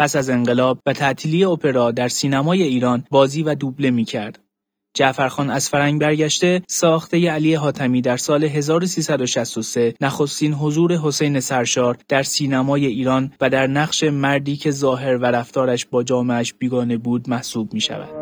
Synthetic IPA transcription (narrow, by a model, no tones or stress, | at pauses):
pʰæsæze̞ŋɢe̞lɒːb̚væt̪ʰæʔt̪ʰiːliːjeopʰe̞ɾɒːd̪æɾsiːnæmɒːje̞iːɾɒːnbɒːziːvæd̪uble̞miːcʰæɾd̪̥ | d͡ʒæʔfæɾxɒːnæz̥fæɾæŋɟbæɾɟæʃt̪e̞sɒːxt̪e̞jeæliːe̞ɦɒːt̪ʰæmiːd̪æɾsɒːle̞ɦe̞zɒːɾosiːsæd̪o̞ʃæst̪o̞se̞næxo̞st̪iːnɦo̞zuːɾe̞ɦo̞se̞jne̞sæɾʃɒːɾd̪̥æɾsiːnæmɒːje̞iːɾɒːnvæd̪æɾnæɣʃe̞mæɾd̪iːcʰe̞zɒːɦe̞ɾvæɾæft̪ɒːɾæʃbɒːd͡ʒɒːmeæʃb̥iːɡɒːne̞buːd̪mæhsuːb̚miːʃæ̰væ̰d̪̥